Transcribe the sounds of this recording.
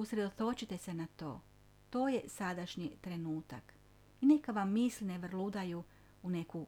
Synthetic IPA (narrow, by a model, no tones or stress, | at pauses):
usɾed̪ot̪o̞t͡ɕit̪e̞se̞nat̪o̞̰ː | t̪o̞ːje̞sad̪aʃɲit̪ɾe̞nuːt̪ak | ine̞kaʋamːislineʋrlud̪aju | une̞ku